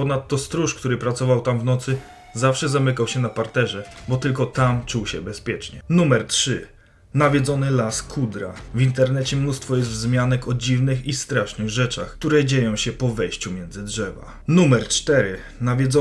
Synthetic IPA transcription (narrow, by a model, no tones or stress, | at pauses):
pɔnat̪ːɔst̪ɾuʂkt̪uɾɘpɾat̪sɔvawt̪amvnɔt̪sɘ | zafʂɛzamɘkawɕɛnapaɾt̪ɛʐɛbɔt̪ɘlkɔt̪amt͡ʂuwɕɛ̰bɛspʲjɛt͡ʂɲɛ̰numɛɾtʂɘ | navʲjɛd̪zɔnɘlaskʰud̪ɾa̰vint̪ɛɾnɛt͡ɕɛmnust̪fɔjɛst̪zmʲjanɛkʰɔd͡ʑivnɘxist̪ɾaʂnɘɣʐɛt͡ʂaxk̚t̪uɾɛd͡ʑejɔ̃w̃ɕɛpɔvɛjɕt͡ɕumʲjɛndzɘdʐɛva̰ | numɛɾt͡ʂt̪ɛɾɘ | navʲjɛdzɔ